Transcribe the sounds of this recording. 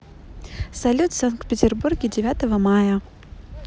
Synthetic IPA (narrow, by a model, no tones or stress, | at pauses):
sɐlʲut̪sankt̪̚pʲɪtʲɪrburɡʲɪdʲɪvʲat̪əvəmajə